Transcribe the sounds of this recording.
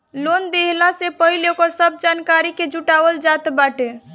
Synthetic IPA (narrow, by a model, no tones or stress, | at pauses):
lond̪eɦlasepəɦilokəɾsəb̚d͡ʒankaɾiked͡ʒuʈabəld͡ʒat̪baʈe